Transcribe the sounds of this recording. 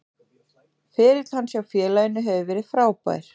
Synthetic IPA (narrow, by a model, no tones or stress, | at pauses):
fɪːɾɪt̪l̥hanːsjawfjɛːlajɪnːʏɦɛvʏvɛːɾɪðfɾaːwpa̰ːjɾ̥